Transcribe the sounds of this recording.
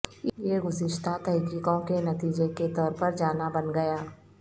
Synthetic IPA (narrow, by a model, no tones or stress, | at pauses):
ɪieɡʊsɪʃt̪ʰat̪ɛɦkiːkõkenɐt̪iːd͡ʒeket̪ɔːɾpɐɾd͡ʒaːnabɐnɡɐjaː